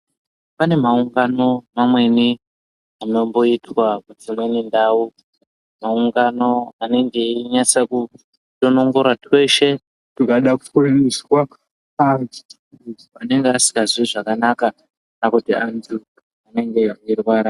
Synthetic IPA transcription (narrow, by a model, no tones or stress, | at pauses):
pane̞mauŋɡano̞mamwe̞ni | ano̞mbo̞itʰwakud͡zimwe̞nindau | mauŋɡano̞ane̞ŋɡe̞iɲasaku | to̞no̞ŋɡo̞ɾwatʰwe̞ʃe̞ | tikaɗaku̥funiswa | and͡zu̥ | ane̞ŋɡeasi̥kaziʐakanaka | nakutianzu | ane̞ŋɡe̞irwaɾa